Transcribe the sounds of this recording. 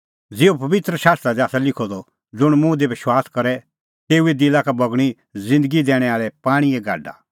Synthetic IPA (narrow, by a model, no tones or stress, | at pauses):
d͡zeːupɐʋɪt̪ɾəʃaːst̪ɾad̪iaːsalɪkʰɔd̪ɔ | d͡zʊɽ̃mũd̪ebɪʃwaːskɐɾɛ | t̪eːued̪ɪlakabɐɡɽ̃i | zɪ̃nd̪əɡid̪ɛːɽ̃ɛaːɭɛpaːɽ̃ieɡʱa̰ːɖa̰